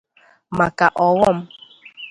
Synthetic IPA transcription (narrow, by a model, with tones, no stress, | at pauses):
ma˨ka˨ʔɔ˨wɔ˦˨m̩˦